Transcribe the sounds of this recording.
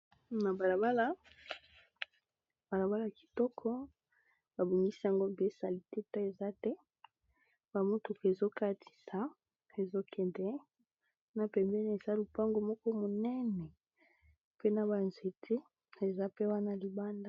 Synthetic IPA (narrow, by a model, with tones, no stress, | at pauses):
na˨ba˨la˨ba˦la˦ | ba˨la˨ba˦la˦˨a˨ki̥˨tɔ˦kʰɔ˦ | ba˨bo˨mi˦si˦ja˨ŋɡo˦˨be˦sa˨li˨te˦ta˦e˨za˦tɛ˦ | ba˨mo˦to˨ke˨zo˦ka˦ti̥˨sa˨ | e˨zo˦kʰɛ˨ndɛ˦ | na˨pɛ˨mbɛ˦n˨e˨za˦lu˨pa˦ŋɡo˨mɔ˦kɔ˦mo˨nɛ˦nɛ˨ | pe˦na˨ba˨nze˨tʰe˦ | e˨za˦pe˦wa˦na˨li˨ba˦nda˦